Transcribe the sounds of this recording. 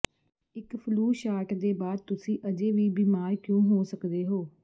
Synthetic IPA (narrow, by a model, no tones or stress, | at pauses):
ɪkpʰluːʃaːɾʈd̪eːbaːd̪̚t̪ʊsĩːʔəd͡ʒeːʋiːbiːmaːɾkjõːɦoːsəkd̪eːɦoː